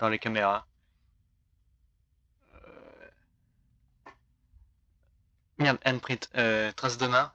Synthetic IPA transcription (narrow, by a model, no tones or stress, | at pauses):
d̪̥ɑ̃lekameʁa | mɛd̪ɛnpχit̪øt̪χasd̪əmɛ̃